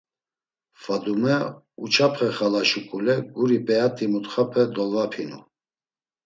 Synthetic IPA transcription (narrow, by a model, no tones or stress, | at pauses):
fad̪umɛ | ut͡ʃʰapʰχɛχalaʃukʼulɛɡuɾipʼɛat̪ʼimut̪χapʰɛd̪ɔlapʰinṵ